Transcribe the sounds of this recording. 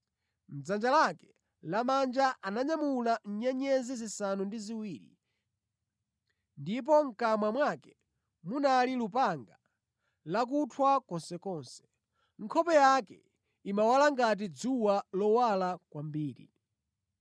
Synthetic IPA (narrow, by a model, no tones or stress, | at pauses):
m̩d͡zand͡ʒalakɛ̥ | lamand͡ʒaʔanaɲamulan̩ɲɛɲɛzizisanundiziwiːɾḭ | ndip̬ɔŋ̩kamwamwakɛ | munalilupaŋɡa | lak̬utʰwakɔnsɛkɔːnsɛ̥ | ŋ̩kʰɔpɛjakɛ | imawalaŋɡat̬id͡zuwalɔwalakwambiːɾḭ